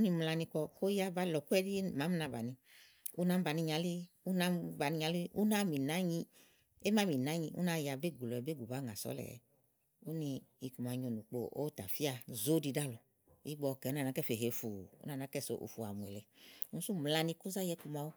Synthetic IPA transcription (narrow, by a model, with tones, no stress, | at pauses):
u˦ni˧m˧la˧ni˧kɔ˧ko˦ja˦ba˦lɔ˨ku˦ɛ˦di˦ma˨˦m˦na˧ba˨nĩ˧ | u˦na˨˦m˦ba˨ni˧ɲa˧li˦ | u˦na˨˦mba˨ni˧ɲa˧li˦u˦na˦mi˨na˦ɲĩ˧ | e˦ma˨˦mĩ˨na˨˦ɲĩ˧ṵ˦na˧˦˨ja˧be˦˨ɡu˨lɔ˨ɛ˨be˦˨ɡu˨ba˨˦ŋa˨sɔ̰˨˦lɛ̰˨ɛ̰˨˦ | u˦ni˧i˧ku˨ma˨˧ɲo˨nũ˨k͡po̰˧o̰˦ta˨fi˦a˧zo˦di˧da˦lɔ˨ | i˦ɡ͡bɔ˧kɛ˨˦nã˦˨n˨a˨˦kɛ˦˨fe˨ɦe˨fu˨ṵ˦na˦˨na˨˦kɛ˦˨so˨ʔṵ˨fu˨a̰˨mu˨ɛ˨lɛ˨˦nũ˨˦su˦m˨la˧nĩ˧ko˦za˦jɛ˨˦ku˧ma˧wo˦